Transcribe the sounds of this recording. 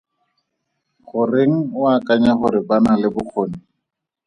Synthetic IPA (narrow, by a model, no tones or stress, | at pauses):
χʊreŋ̩wakʼaɲaχʊɾɪbanalɪbʊk͡xʰoːni